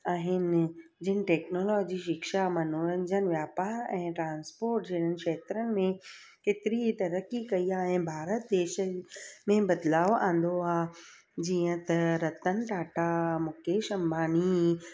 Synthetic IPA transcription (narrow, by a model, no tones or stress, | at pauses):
aːɦɪnd͡ʑɪnɪ̆ʈɛːknoːlɔːd͡ʑiʃɪkʃamɐnoːɾə̃ɲd͡ʑənʋjaːpaːɾɛ̃ːʈɾãːnspoːɾʈd͡ʑɐɦɪɽ̤ənɪ̆kʃɛːt̪ɾənɪ̆mẽ | keːt̪ɪɾit̪ɐɾəkikɐiaːɦɪnɪ̆bʱaːɾət̪̚d̪eːʃəmẽbɐd̪laːʋʔãːnd̪oaː | d͡ʑiːə̃t̪ɐɾɐt̪ənɪ̆ʈaːʈamʊkeːʃɐ̃mbʱaːni